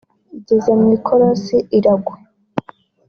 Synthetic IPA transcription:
iɟezemŋikʰoɾosiiɾaɡwa

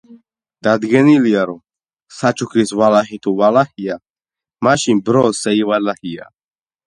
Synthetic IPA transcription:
d̪̥ad̪ɡɛniliaɾɔm | sat͡ʃʰukʰɾisvalahit̪ʰuvalahia | maʃinbɾɔsɛivalahia̰

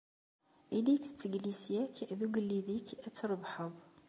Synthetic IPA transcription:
ʔilikθt̪ːəɡlisjækðuɡəlːiðikæt͡s̪ːɾˤəbħəðˤ

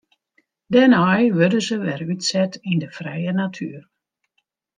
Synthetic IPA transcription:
dɛnɔjʋødəzəʋɛɾytsɛtindəfrɛjənatʰyːr

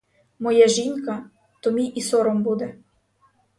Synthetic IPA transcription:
mojɛʒinka | t̪omiʔisoɾɔmbud̪ɛ

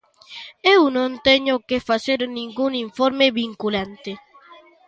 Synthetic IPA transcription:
ewnõnt̪ɛɲʊkefaseɾniŋɡuniɱfoɾmeβiŋkulant̪ɪ

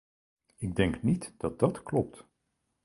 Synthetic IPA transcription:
ɪɡ̚dɛŋknitd̥ɑt̚dɑtklɔp̚t

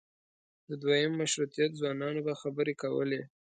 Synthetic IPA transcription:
d̪əd̪wajəmːaʃɾut̪ijat̪zwɑnɑnobaxabəɾekawə̰le

